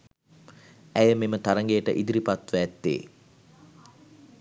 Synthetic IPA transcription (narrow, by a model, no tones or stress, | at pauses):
æjəmemət̪aɾəŋɡejəʈə̰ʔid̪iɾipat̪ʋæːt̪ːḛː